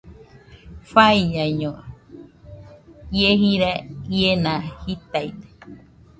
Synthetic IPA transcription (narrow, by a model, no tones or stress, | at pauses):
faiɲãɲõ | jeɦiɾaienãhit̪ajd̪e̥